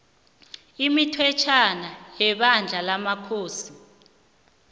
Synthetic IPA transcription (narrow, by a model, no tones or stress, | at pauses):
imitʰwɛt͡ʃʰanajɛɓand͡ɮʱalamakʰoːsi